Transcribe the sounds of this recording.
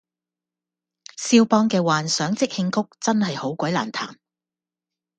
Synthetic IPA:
siː˧wpɔː˧ŋkɛː˧waː˨nsœː˨˥ŋt͡sɪ˥k̚hɪ˧ŋkʊ˥k̚t͡sɐ˥nhɐ˨jho˨˥wkʷɔ˨˥jlaː˨˩nt̪ʰa̰ː˨˩m

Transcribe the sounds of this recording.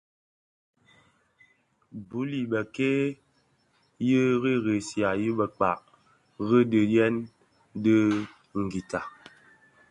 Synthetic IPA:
bu˨˦li˨bə˨ke˦ | jə˦ɣi˦ɣe˨sja˨jə˦bə˨k͡pa̰˨ʔ | ɣə˦də˨jɛ˦n | də˦ | ŋ̩˨ɡi˨ta˨

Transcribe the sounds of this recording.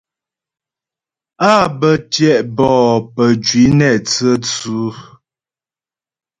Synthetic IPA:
a˦˨bə˨tjɛ˨ʔbɔː˨pə˨d͡ʒwi˨˦nɛ˨t͡sə˦t͡su˨˦

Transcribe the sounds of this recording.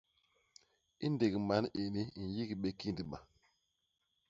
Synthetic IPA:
i˦nde˨ɡi˨ma˨˦ne˨ni˦n̩˨ji˦ɡi˨ɓe˦ki˦ndi˨ɓa˨

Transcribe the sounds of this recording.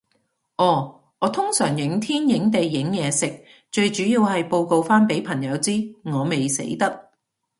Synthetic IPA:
ʔɔː˨˧˩ | ŋɔː˨˧t̪ʰʊ˥ŋsœː˨˩ŋjɪ˨˥ŋt̪ʰiː˥njɪ˨˥ŋt̪e˨jːɪ˨˥ŋjɛː˨˧sɪ˨k̚ | t͡ʃɵ˧ɥt͡ʃyː˨˥jiː˧whɐ˨jpo˧wko˨˧wfaː˥npe˨˥jpʰɐ˨˩ŋjɐ˨˧wt͡siː˥ŋɔː˨˧me˨jsḛ˨˥jt̪ɐ˥k̚

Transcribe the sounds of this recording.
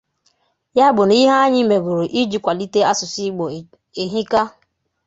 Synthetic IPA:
ja˦bʊ˨n˨˦i˦ɦa˦ɲɪ˦me˨ɡu˨ɾo˨ʔi˦d͡ʒi˨˦kʷa˨li˦te˦a˦sʊ˨si˦ɡ͡bo˨ | e˨ɦi˦ka˦

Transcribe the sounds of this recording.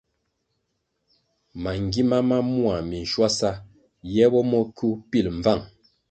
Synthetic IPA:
ma˨ŋ˨ɡi˦ma˦ma˦mu˦a˨mi˨n˨ʃwa˦sa˦ | jɛ˦bɔ˦mɔ˦kʰu˦pi˦˨lɱ˨va˦˨ŋ

